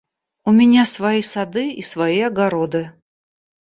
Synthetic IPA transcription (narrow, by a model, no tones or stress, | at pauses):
ʊmʲɪnʲasvɐjisɐd̪ɨisvɐjiɐɡɐɾod̪ɨ